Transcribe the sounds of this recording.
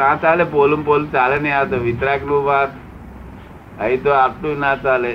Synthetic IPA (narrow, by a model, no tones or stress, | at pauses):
nat͡salepolumpolt͡salenjat̪oʋit̪ɾakluʋat̪ | əit̪oap̚t̪unat͡sale